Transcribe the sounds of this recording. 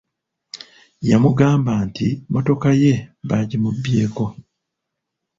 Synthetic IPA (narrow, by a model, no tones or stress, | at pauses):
jamuɡaːmbaːntimo̞to̞kaje̞βaɟimubːjeːko̞